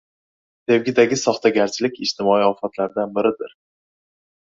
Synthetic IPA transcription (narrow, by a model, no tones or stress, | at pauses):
t̪ʰe̞vɡʲɪd̪aɡʲɪsɒχt̪ʰaɡʲaɾt͡ʃʰɪlɪkʲɪʃt̪ʰɪmɒiɒfat̪ʰlaɾd̪anbɪɾɪd̪ɪɾ